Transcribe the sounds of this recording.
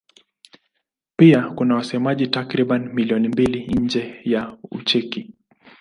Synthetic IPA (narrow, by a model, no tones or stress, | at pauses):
piakunawasɛmaʄitakɾiɓanimiliɔnimbiliɲ̩d͡ʒɛjaṵt͡ʃɛki